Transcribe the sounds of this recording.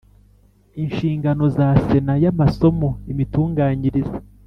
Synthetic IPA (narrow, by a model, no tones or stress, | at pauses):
inʃiːŋɡano̞zase̞najamaso̞mo̞imituːŋɡaːɲiɾize